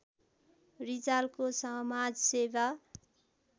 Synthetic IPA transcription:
rid͡zalkosʌmad͡zseba

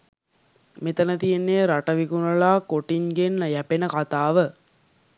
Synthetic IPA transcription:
met̪ənət̪ijenːeːɾaʈəʋikunəlaːkoʈiŋɡenːjæpenəkat̪aːʋə

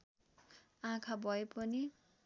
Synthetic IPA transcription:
ãkʰabʱʌepʌni

